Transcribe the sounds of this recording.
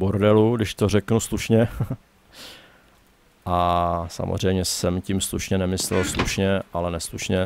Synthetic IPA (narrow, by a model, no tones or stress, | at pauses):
boɾdɛludɪʃt̪orɛknusluʃɲɛ | ʔasa̰mo̰zr̝ɛjmɲɛsɛmcimsluʃɲɛnɛmɪslɛ̰lsluʃɲɛʔalɛnɛsluʃɲɛ